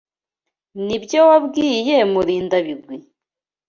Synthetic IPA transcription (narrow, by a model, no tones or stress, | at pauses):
nibjowabɡiːjemuɾiːndaβiɡwi